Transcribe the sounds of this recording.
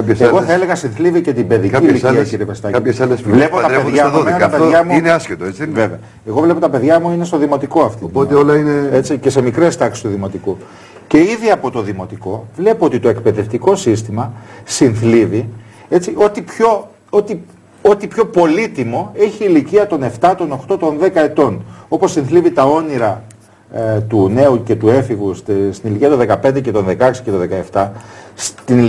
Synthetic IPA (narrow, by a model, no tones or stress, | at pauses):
seɣo̞θɐele̞ɣɐsinθlivice̞t̪ibe̞ðiiliiɐciɾiepest̪ɐcɐiçesɐlesvle̞pott̪ɐeðɐmmeɐpeðʝɐmuineɐscet̪oet͡sive̞veɐ | eɣo̞vle̞po̞t̪ɐpe̞ðʝɐmuine̞st̪o̞ðimo̞t̪iko̞ɐft̪iopot̪eolɐineet͡sice̞se̞mikɾe̞st̪ɐksi̥st̪uðimo̞t̪iku | ce̞iðiɐpo̞t̪o̞ðimo̞t̪iko̞vle̞poo̞t̪it̪o̞e̞k̚pe̞ðe̞ft̪iko̞sist̪imɐsinθlivi | e̞t͡siʔo̞t̪ipço̞ | ot̪i | ot̪ipço̞po̞lit̪imo̞e̞çiːliciɐt̪o̞ne̞ft̪ɐt̪o̞no̞xt̪o̞t̪o̞nðe̞kɐe̞t̪o̞no̞po̞sːinθlivit̪ɐo̞niɾɐ | t̪une̞uce̞t̪ue̞fiɣusst̪iniliciɐt̪oðe̞kɐpe̞nd̪ece̞t̪o̞nðe̞kɐksi̥ce̞t̪oðe̞kɐe̞ft̪ɐst̪in